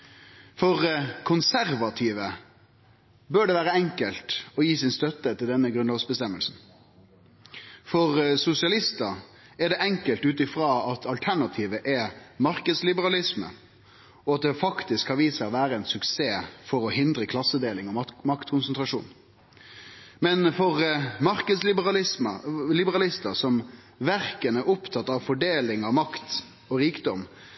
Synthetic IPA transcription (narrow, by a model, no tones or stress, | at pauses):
fɔʁkʰʊnsæɾʋɑt̪ʰiːʋə | bøːɖɛʋæːɾəɛŋkəlt̪ɔjiːsɪnst̪œt̪ət̪ɪld̪ɛnːəɡɾʉnɔːɡsbəst̪ɛmːəlsn̩ | fɔʁsʊsɪɑlɪst̪ə | ɛɖɛʔɛŋkəlt̪ʉːt̪ɪfɾɑːɑt̪ʰɑlt̪ʰæɳɑt̪ʰiːʋəʔɛmɑɾkəd̪slɪbəɾɑlɪsmə̰ | ɔɑt̪̚d̪ɛfɑkt̪ɪskhɑɾʋiːsəʋæːɾəɛnsʉkseːfɔɾɔhɪnd̪ɾəkʰlɑsːəd̪eːlɪŋɔmɑkt̪kʰʊnsənt̪ɾɑʂṵːn | mɛnfɔʁmɑɾkəd̪slɪbɑlɪsmə̰lɪbəɾɑlɪst̪əsɔm | ʋæɾkənəʔʊpt̪ʰɑt̪ːɑʋfɔɖeːlɪŋɑʋmɑkt̪ | ɔɾiːkd̪ɔm